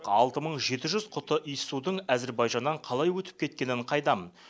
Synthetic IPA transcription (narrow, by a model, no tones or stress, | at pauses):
qɑlˠt̪əməɴʒe̞t̪ɪʒʏzqʰʊt̪əʔijsud̪əɴæzeɾbɑjʒɑnd̪ɑɴqʰɑlˠɑjwɵt̪ɪ̥p̚kʲʰe̞t̪kʲe̞nɪɴqʰɑjd̪ɑmən